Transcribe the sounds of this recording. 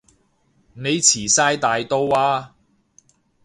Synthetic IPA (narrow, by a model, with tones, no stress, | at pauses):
ne˨˧jt͡sʰiː˨˩saː˥jt̪aː˨jt̪o˥waː˧˥